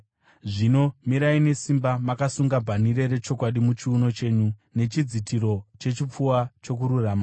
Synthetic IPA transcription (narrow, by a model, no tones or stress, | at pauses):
ʐino̞miɾaine̞simbamakasuŋɡabʱanire̞ɾe̞t͡ʃo̞kwaɗimut͡ʃiuno̞t͡ʃe̞ːɲune̞t͡ʃid͡zitʰiɾo̞t͡ʃe̞t͡ʃip͡fuwat͡ʃo̞k̬uɾuraːma